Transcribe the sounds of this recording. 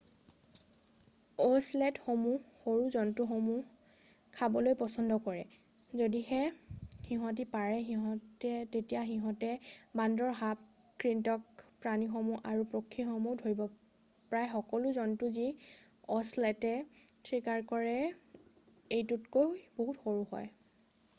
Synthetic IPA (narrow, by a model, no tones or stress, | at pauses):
ɔslɛtxomuxoɹuzɔntuxomu | kʰabɔlojpɔsɔndɔkɔɹɛ | zodixɛxiɦɔ̃t̬ipaɹɛxiɦɔ̃tɛtetijaxiɦɔ̃tɛbandɔɹɦap̚ | kɹintɔkpɹanixɔmuʔaɹupɹokʰːixɔmudʱoɹibɔ | pɹajxɔkɔlʊzɔntuzi | ɔslɛtɛ | tʰɹikaɹkɔɹɛ | ejtutkojboɦutxoɹuhɔ̰j